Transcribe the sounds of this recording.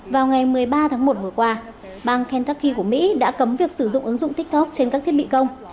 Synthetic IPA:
vaː˨˩wŋa˨˩jmɨ˨˩əjɓaː˧t̪ʰa˨˦ŋmo˨˩t̚vɨ˨˩əkwaː˧ | ɓaː˧ŋkɛ˧nt̪aː˦˥kːi˧ku˧˩əmḭ˧˥ɗa̰ː˧˥kə˨˦mvi˨˩ək̚sɨ˧˩zʊ̰˧˨ŋ͡mʔɨ˨˦ŋzʊ̰˧˨ŋ͡mt̪ï˦˥k̟̚t̪ʰɔ˦˥k̚t͡ɕe˧nkaː˦˥k̪̚ʰi˦˥ət̚ɓḭ˧˨kə˧wŋ͡m

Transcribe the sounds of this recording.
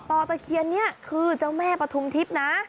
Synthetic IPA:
t̪ɔː˧t̪a˧kʰi˧ənːi˦˥ɐkʰɯː˧t͡ɕa˧˥˩wmɛː˥˩pɾa˧t̪ʰu˧˥mt̪ʰi˦˥p̚na˦˥

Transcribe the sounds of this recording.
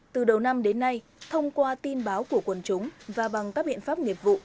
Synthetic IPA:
t̪ɨ˨˩ɗə˨˩wna˧mɗe˨˦nːa˧j | t̪ʰə˧wŋ͡mkwaː˧t̪i˧nɓaː˨˦wku˧˩əkwə˨˩nt͡ɕʊ˨˦ŋ͡mvaː˨˩ɓa˨˩ŋkaː˦˥k̚ɓḭ˧˨ənfaː˦˥p̚ŋi˨˩əp̚vṵ˧˨

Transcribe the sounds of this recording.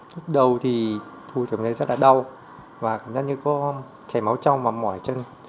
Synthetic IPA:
lu˦˥k̚ɗə˨˩wt̪ʰi˨˩t̪ʰu˧t̪ɨ˨˧˩ŋnə˧jzə˦˥t̚laː˨˩ɗa˧w | vaː˨˩kaː˧˩mzaː˦˥ɲɨ˧kɔ˨˦ | t͡ɕa˧˩jma˨˦wt͡ɕa˧wvaː˨˩mɔ̰˧˩˨jt͡ɕə˧n

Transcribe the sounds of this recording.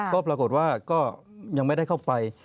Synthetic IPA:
kɔː˥˩pɾaː˧ko˨˩t̪̚waː˥˩kɔː˥˩ja˧ŋm˥˩jda˥˩jkʰa˥˩wpa˧j

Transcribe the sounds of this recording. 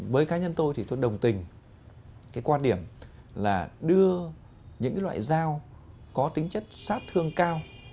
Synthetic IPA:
vəː˨˦jkaː˨˦ɲə˧nt̪o˧jt̪ʰi˨˩t̪o˧jɗə˨˩wŋ͡mt̪ï˨˩ŋ̟ | kaː˨˦jkwaː˧ɗi˧˩əm | laː˨˩ɗɨ˧ə | ɲɨ̰˧˥ŋkaː˨˦lwa̰ː˧˨jzaː˧w | kɔ˨˦t̪ï˨˦ŋ̟t͡ɕə˦˥t̚saː˦˥t̚t̪ʰɨ˧əŋkaː˧w

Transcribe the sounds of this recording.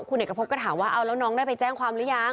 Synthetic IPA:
kʰu˧neː˨˩kɔ˧˩pʰo˦˥p̚kaː˧˥˩t̪ʰaː˩˦mwaː˥˩ʔa˧wla˦˥wnɔː˦˥ŋdaː˥˩pa˧jt͡ɕɛː˥˩ŋkʰwaː˧mɾlɯ˦˥ja˧˩ŋ

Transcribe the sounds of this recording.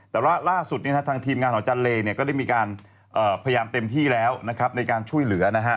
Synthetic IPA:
ɛː˨˩waː˥˩laː˥˩su˨˩t̪̚ni˥˩ɦa˦˥t̪ʰːŋt̪ʰiː˧mŋaː˧nʰɔ˩˦t͡ɕa˧nleː˧ni˥˩kɔː˥˩da˥˩jmiː˧kaː˧n | ʔɤː˨˩pʰa˧ja˧jaː˧mt̪e˧mt̪ʰiː˥˩lɛː˦˥wna˦˥kʰa˦˥p̚na˧jkaː˧nt͡ɕʰu˥˩əjlɯ˩˦ɐna˦˥kʰa˦˥ʔ

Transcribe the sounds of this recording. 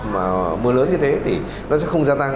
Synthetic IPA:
maː˨˩mɨ˨˦ələː˨˦nɲɨ˧t̪ʰe˨˦t̪ʰi˨˩ | nɔ˨˦t͡ɕɛ̰˧˦˥xə˧wŋ͡mzaː˧t̪a˧ŋ

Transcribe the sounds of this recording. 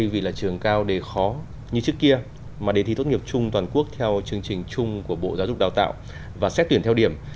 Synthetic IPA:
ə˧jvi˨˩laː˨˩t͡ɕɨ˨˩əŋkaː˧wɗe˨˩xɔ˨˦ | ɲɨ˧t͡ɕɨ˦˥əkːi˧ə | maː˨˩ɗe˨˩t̪i˧t̪o˦˥t̚ŋi˨˩əp̚t͡ɕʊ˧ŋ͡mt̪waː˨˩nku˦˥ək̚t̪ʰɛ˧wt͡ɕɨ˧əŋt͡ɕï˨˩ŋ̟t͡ɕʊ˧ŋ͡mku˧˩əɓo̰˧˨zaː˨˦zʊ˨˩k͡p̚ɗaː˨˩t̪a̰ː˧˨w | vaː˨˩sɛ˦˥t̪̚ːwənt̪ʰwɗi˧˩əm

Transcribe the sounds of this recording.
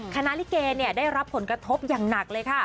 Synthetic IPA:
kʰa˧na˦˥ʔli˦˥keː˧ni˥˩ədaː˥˩jɾa˦˥pʰːo˨˩˦nkɾa˧t̪ʰo˦˥p̚jaː˨˩ŋna˨˩k̚lɤː˧jkʰa˥˩

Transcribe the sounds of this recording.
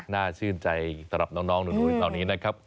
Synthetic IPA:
naː˥˩t͡ɕʰɯː˥˩nt͡ɕa˧jsa˧mɾa˨˩p̚nɔː˦˥ŋnɔː˦˥ŋnɯː˨˩˦uː˨˦˩t̪aː˨˩niː˦˥na˦˥kʰa˦˥p̚

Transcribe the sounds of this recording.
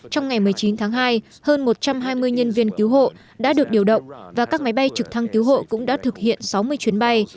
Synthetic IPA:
t͡ɕɔ˧wŋ͡mŋa˨˩jmɨ˨˩əjt͡ɕi˨˦nt̪ʰaː˨˦ŋɦaː˧j | həː˧nmo˨˩t̚t͡ɕa˧mɦaː˧jmɨ˧əjɲə˧nvi˧ənki˨˦wɦo̰˧˨ | ɗa̰ː˧˥ɗɨ˨˩ək̚ɗi˨˩əwɗə̰˧˨wŋ͡mvaː˨˩kaː˦˥k̚ma˨˦jɓa˧jt͡ɕɨ˨˩k̚t̪ʰa˧ŋki˨˦wɦo̰˧˨kʊ̰˧˥ŋ͡mɗa̰ː˧˥t̪ʰɨ˨˩k̚hḭ˧˨ənsa˨˦wmɨ˧əjt͡ɕwi˨˦ənɓa˧j

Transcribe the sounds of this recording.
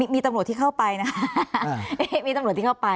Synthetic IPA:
iː˧miː˧t̪a˧mɾu˨˩t̪ʰːi˥˧˩kʰa˥˩wpa˧jna˦˥kʰa˦ | e˥miː˧t̪a˧mɾu˨˩t̪ʰi˥˩kʰpa˧

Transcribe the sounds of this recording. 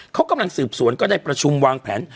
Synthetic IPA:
kʰa˦˥wka˧mla˧ŋsɯː˨˩p̚su˨˩˦ənkɔː˥˩daː˥˩jpɾa˧t͡ɕʰu˧mwaː˧ŋpʰɛː˩˦n

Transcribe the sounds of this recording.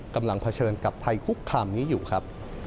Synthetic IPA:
ka˧mla˧ŋpʰa˧t͡ɕʰɤː˧nka˨˩p̚t̪ʰa˧jkʰu˦˥kʰːaː˧mniː˦˥juː˨˩kʰɾa˦˥p̚

